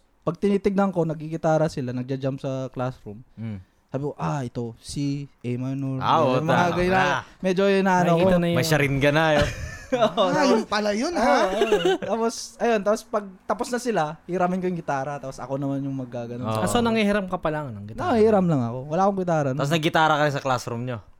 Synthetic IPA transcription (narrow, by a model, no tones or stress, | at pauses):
pɐɡ̚t̪ɪniːt̪ɪɡ̚nɐŋko̞nɐɡ̚iɡɪt̪aːɾɐsɪlanɐɡ̚d͡ʒɐd͡ʒampsɐklasɾum | saːbɪkoʔaʔɛt̪o̞siʔɛmanolaomɐŋaɡɐjnamɛd͡ʒoɪnaːʔɐnokioɐnɐjmɐjʃɐɾɪnɡɐnajooajŋpɐlajonat̪aːpo̞sʔɐjo̞nt̪aːpospɐɡ̚t̪aposnɐsɪlahɪɾaːmɪnkojʊŋɡɪt̪aːɾɐt̪aːposʔɐ̰ko̞nɐmanjʊŋmɐɡ̚kaːɡɐnoɐsonɐŋhihɪɾɐmkɐpɐlaːŋɐnɐŋɡɪt̪aihɪɾamlɐŋɐko̞wɐlaːkoŋɡɪt̪aːɾɐnapos̬nɐɡɪt̪aːɾɐkɐnɪsɐklasɾumɲo